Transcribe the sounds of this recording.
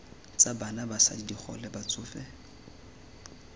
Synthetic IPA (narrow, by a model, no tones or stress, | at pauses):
t͡sʼabanabasa̰didik͡xʰɔ̰lɛbat͡sʼʊːfɛ